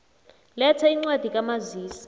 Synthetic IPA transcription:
lɛtʰaiŋ͡ǀwad̥ʱikʼamaziːsḁ

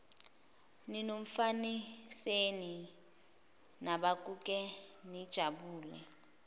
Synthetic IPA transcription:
ninoɱ̩faniseni | naɓak̬ʼuk̬ʼɛnid̥ʒ̥ʱaɓuːlɛ̰

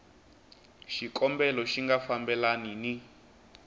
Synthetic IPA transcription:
ʃikɔmbɛlɔʃiŋɡafambɛlanini

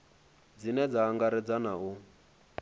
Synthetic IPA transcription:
d͡zinɛd͡zaːŋɡaɾɛd͡zanau

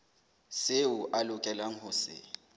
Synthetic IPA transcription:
sɪʊʔalʊkʼɛlaŋ̩ɦʊsɪ̰

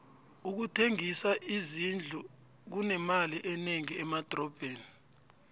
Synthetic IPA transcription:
uk̬utʰeŋisaʔizind͡ɮʱu | k̬unɛmaliʔɛneŋiɛmad̥ʱrɔb̥ʱeːni

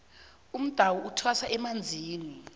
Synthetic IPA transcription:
um̩d̥ʱawɔʔutʰwasaʔɛmand͡zʱiːni

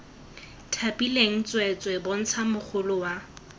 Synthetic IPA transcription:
tʰapʼileŋ̩t͡sʼwɛt͡sʼwɛbʊn̩t͡sʰamʊk͡xʰʊlʊwa

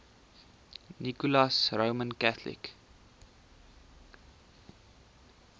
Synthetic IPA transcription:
nikulɑsrəwmənkæθlḭk

